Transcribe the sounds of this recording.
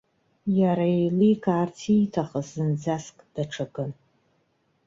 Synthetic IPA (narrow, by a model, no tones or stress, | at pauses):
jaɾajlikʰaːrtʰitʰaχəzɨnd͡zaskʼd̥aʈ͡ʂʰaɡɨn